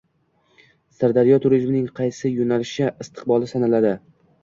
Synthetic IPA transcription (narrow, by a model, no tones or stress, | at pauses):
saɾd̪aɾɪjɒt̪ʰʊɾizmnɪŋqʰɑjsɪjonalɪʃɪɪst̪ʰɨ̥q̚bɒlˠɪsanalad̪ɪ